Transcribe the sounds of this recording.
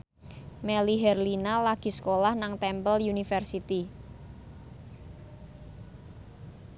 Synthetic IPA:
mɛliɦɛrlinalaɡ̥i̤skolahnaŋt̪ɛmpəljunifɛrsit̪i

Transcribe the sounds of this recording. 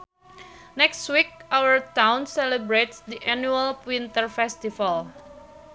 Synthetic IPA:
nɛkstwik̚ʔawəɹt̪ãwnsɛlɛbɾetsd̪iʔɛnjualpwint̪əɹfɛst̪ival

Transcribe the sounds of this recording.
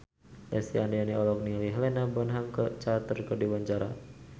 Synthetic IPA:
lɛsianianiɔlɔk̚niliɦlɛnabɔnɦamkət͡ʃat̪ərkədiwaɲt͡ʃaɾa

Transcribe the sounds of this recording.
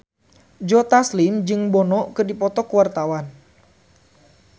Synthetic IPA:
d͡ʒɔt̪aslimd͡ʒɨŋbɔnɔkɨrdipɔt̪ɔkuwart̪awan

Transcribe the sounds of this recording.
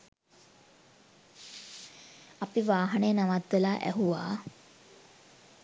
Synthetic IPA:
apiʋaːɦanejənaʋat̪ʋelaːʔæ̰ɦuʋa̰ː

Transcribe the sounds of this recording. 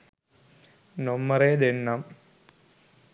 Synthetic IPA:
nomːɐɾed̪enːɐm

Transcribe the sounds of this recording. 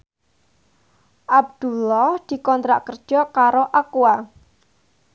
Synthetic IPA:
ʔab̚d̪̥ulɔhd̪̥i̤kɔnt̪ɾaʔkərd̥ʒ̥ɔkaɾoʔakua

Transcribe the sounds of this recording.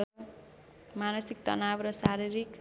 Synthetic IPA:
manʌsik̚t̪ʌ̰nabrʌsaɾiɾik

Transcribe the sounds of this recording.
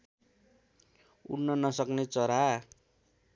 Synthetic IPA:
ṵnːʌnʌsʌknet͡sʌɾa

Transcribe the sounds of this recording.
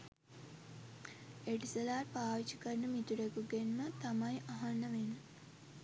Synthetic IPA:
eʈisəlaːrpaːʋit͡ʃi̥kərnəmit̪uɖekuɡenmət̪amajʔaɦanːəʋenə

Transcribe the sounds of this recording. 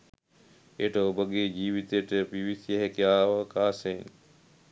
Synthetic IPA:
eʈəobəɡeːd͡ʑiːʋit̪ejəʈəpiʋisijəɦekjaːʋəkaːseŋ

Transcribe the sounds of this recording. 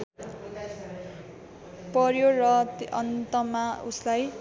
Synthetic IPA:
pʌrjorʌt̪ʔʌ̰nt̪ʌmauslaj

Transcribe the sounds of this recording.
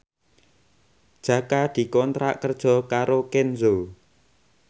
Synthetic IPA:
d̥ʒ̥ä̤kad̪̥i̤kɔnt̪ɾa̰ʔkərd̥ʒ̥ɔ̤kaɾokɛnzo

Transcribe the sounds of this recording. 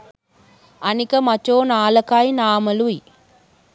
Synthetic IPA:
ɐnikɐmɐt͡ʃːoːnaːlɐkajnaːmɐluji

